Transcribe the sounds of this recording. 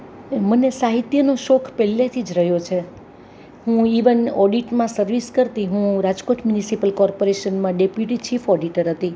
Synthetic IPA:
mənesaɦit̪jənoʃokʰpɛlːet̪ʰid͡ʒɾəɦjot͡ʃʰe | ɦũiʋənɔɖiʈmãsəɾʋiskəɾt̪iɦũɾad͡ʒkoʈmjunisipəlkɔɾpoɾeʃənmãɖepjuʈit͡ʃifɔɖiʈəɾɦət̪i

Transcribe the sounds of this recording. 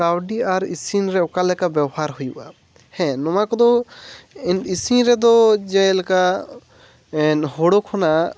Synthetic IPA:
kawɖiaɾisinɾɛɔkalɛkabɛwhaɾɦujuʔa | hɛ̃nɔmakɔd̪ɔ | inisinɾɛd̪ɔd͡ʒɛjlka | nhɔɽɔkʰɔna

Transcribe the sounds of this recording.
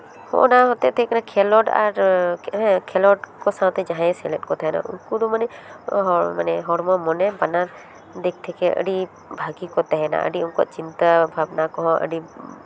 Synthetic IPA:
hɔ̰̃ʔnaɦɔt̪ɛʔt̪ɛkanakʰɛlɔʈa̰ɾ | kʰɛlɔʈkɔsãwt̪ɛd͡ʒaɦãɛ̃sɛlɛt̚kɔt̪ʰaɦɛna̰ʔṵnkud̪umanɛɦɔmanɛɦɔɽmɔmɔnɛbanaɾ | d̪ɛk̚t̪ʰɛkɛə̰ɽi | bʱaɡikɔt̪aɦɛna̰ʔə̰ɖiunkɔ̰ʔt͡ʃint̪abʱabnakɔɦɔ̃ʔə̰ɖi

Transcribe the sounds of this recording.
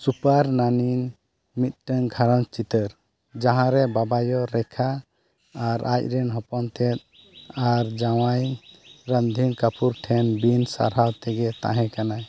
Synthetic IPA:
supaɾnanin | mit̪̚ˀʈəŋɡʱaɾənt͡ʃit̪əɾ | d͡ʒaɦãɾɛbabajɔɾɛkʰaː | ɾʔa̰c̚ˀɾɛnɦɔpɔnt̪ɛt̪̚ | aɾd͡ʒawajɾənd̪ʱinkapuɾʈʰɛnbinsa̰ɾɦawt̪ɛɡɛt̪ã̰ɦɛ̃kanaj

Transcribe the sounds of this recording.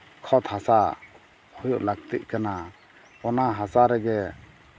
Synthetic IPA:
kʰɔt̪hasa | hɔjɔʔlak̚t̪ḭʔ̚kana | ɔnaɦasaɾɛɡɛ

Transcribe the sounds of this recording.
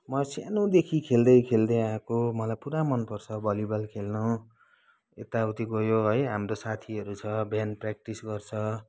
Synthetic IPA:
mʌsanõd̪ekʰikʰeld̪ʌjkʰeld̪ʌjakomʌlajpuɾamʌnpʌrt͡sʰʌbʌlibʌlkʰelnʌ | ḛt̪aut̪iɡʌjoɦʌjɦamrosat̪ʰiʌɾut͡sʰʌbjanprak̚ʈisɡʌrt͡sʰʌ

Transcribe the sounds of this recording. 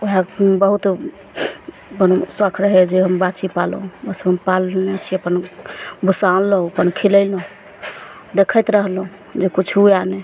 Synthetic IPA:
oɦabəɦut̪ | bənosəkʰɾəɦɛd͡ʒeɦəmbat͡ʃipal̰ũbəsəəmpalneət͡ʃʰiəpənbʱusãlləũəpənkʰilələ̃ | d̪ekʰəjt̪ɾəɦlũ | d͡ʒekut͡ʃʰuane

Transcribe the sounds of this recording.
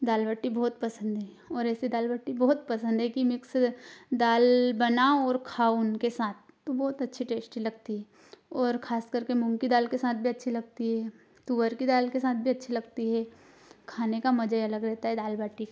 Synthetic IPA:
d̪aːlbəʈːibɔːt̪̚pɐsə̃nd̪ɦɛː | ɔːɾɛːsid̪aːlbəʈːibɔːt̪̚pɐsə̃nd̪ʱɦɛkimɪksd̪aːlbɐnaɔːɾkʰaːunkesaːt̪̚ʰːobɔːt̪ɐtːʃʰiʈeːsʈilɐɡt̪iɦɛː | ɔːɾkʰaːskəɾkemʊ̃mkid̪aːlkesaːt̪̚ʰbʱiɐtːʃʰilɐɡ̚t̪iɦɛː | t̪uːʋəɾkid̪aːlkesaːt̪̚ʰbʱiɐtːʃʰilɐɡt̪iɦɛː | kʰaːnekamɐd͡ʒəjɐləɡɾɛɦt̪aɦɛd̪aːlbaːʈːikː

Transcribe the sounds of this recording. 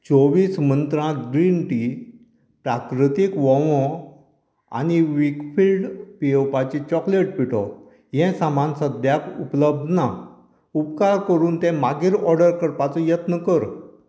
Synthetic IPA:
t͡soʋiːsmənt̪ɾãɡɾinʈi | pɾakɾit̪ikʋɔ̃ʋɔ̃ | a̰niʋikfilɖpiewpat͡ɕit͡ɕɔkleʈ̚piʈʰɔ̰ | jɛ̃samansəd̪jakupləb̚d̪ʱna | upkaɾkəɾuːnt̪ɛ̃maɡiːɾɔɾɖəɾkəɾpat͡sɔjət̪nəkəɾ

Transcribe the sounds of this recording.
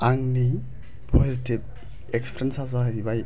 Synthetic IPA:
aŋni | pʰɔzitʰib̚ | ɛkspʰɾensazaɦibaj

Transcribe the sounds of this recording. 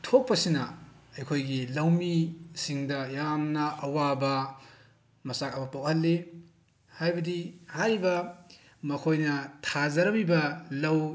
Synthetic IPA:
tʰok̚pɐsinɐɐjkʰojɡilɐwmisiŋdɐjamnɐʔɐwabɐ | mɐsak̚ɐbɐpawhɐlːi | hajbɐdihaɾibɐ | mɐkʰojnɐtʰazɐɾɐbibɐlɐw

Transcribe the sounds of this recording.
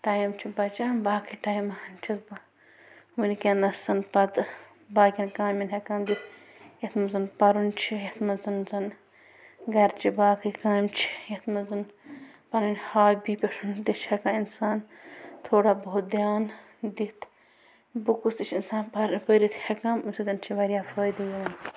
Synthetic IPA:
ʈaːjimt͡ʃʰibɐt͡ʃaːmbaːkʰɨʈaːjmɐhɐnt͡ʃʰizba | ʋɨnikʲenɐsɐnpɐt̪ | baːkʲinkaːminʲɦɐkãːnd̪it̪ | jɐt̪ʰmɐzɨnpɐɾunt͡ʃʰijɐt̪ʰmɐzɨnzɐn | ɡɐɾt͡ʃʰibaːkʰɨkaːjmt͡ʃʰi̥jɐt̪mɐzɨn | pɐlinʲhaːbipʲɐʂund̪it͡ʃʰhɐkaːinsaːn | t̪ʰoːɽaːbout̪̚d̪jaːn | d̪it̪ | bukust̪it͡ʃʰinsaːnpɾpəɾit̪hɐkɐmumsid̪ɐnt͡ʃʰiʋɐɾʲjaːfɐːjd̪ɨjɐlɐn

